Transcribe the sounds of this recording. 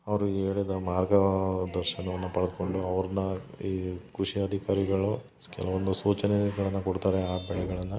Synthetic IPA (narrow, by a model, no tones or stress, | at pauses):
ɐʋɐɾueːɭid̪ɐmaːɾɡɐd̪ɐɾʃɐnɐʋɐnːupɐɭɐd̪ko̞ɳɖuɐʋɐɾɐnɐiːkɾuʂiɐd̪ʱikaːɾiɡɐɭu | kɛ̰lɐʋond̪usuːt͡ʃɐneɡɐɭɐnːɐkoɽt̪aːɾeaːbɛɭɛɡɐɭɐnːɐ